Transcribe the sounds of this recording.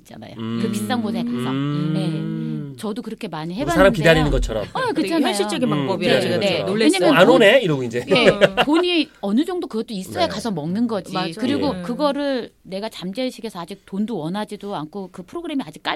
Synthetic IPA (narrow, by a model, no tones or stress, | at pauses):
it͡ɕ͈ana̰jokɯpist͈anɡosʰeekasʰaŋje̞t͡ɕʌdokɯɾʌkʰe̞maɲiɦebbasʰaɾamkidaɾinɯnɡʌt͡ɕʰʌɾʌ̰makɯt͡ɕʰanʌɕ͈ʰit͡ɕ͈ʌɡinmaŋbʌbieneeɲamjʌnanone̞iɾʌɡuind͡ʑeepoɲiʌnɯd͡ʑʌŋdokɯɡʌt͈ois͈ʌekasʰʌmʌŋnɯnɡʌd͡ʑikɯɾiɡokɯɡʌɾɯɭne̞ɡat͡ɕamd͡ʑeɕʰiɡe̞sʰʌad͡ʑik̚tondowʌnɦad͡ʑidoankʰokɯpʰɯɾoɡɯɾe̞miad͡ʑik͈̚a̰